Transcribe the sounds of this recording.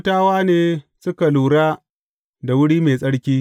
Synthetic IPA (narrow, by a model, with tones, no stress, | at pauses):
taː˦waː˦neː˨sʊ˦ka˨luː˨ɽaː˦ | da˨wʊ˦ɽiː˦meː˨sʼɐ˦ɽkʲiː˦